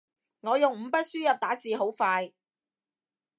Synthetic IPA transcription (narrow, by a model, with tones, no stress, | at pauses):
ŋɔː˨˧jʊ˨ŋm̩˨˧˦pɐ˥t̚syː˥jɐ˨p̚t̪aː˨˥siː˨ɦo˨˥wfaː˧j